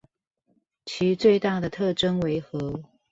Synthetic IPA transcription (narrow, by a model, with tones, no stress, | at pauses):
t͡ɕʰi˧˥t͡swe˥˧ɪt̪a˥˩d̪ə˩t̪ʰɤ˥˩ʈ͡ʂə˥ŋwe˧˥ɪxɤ˧˥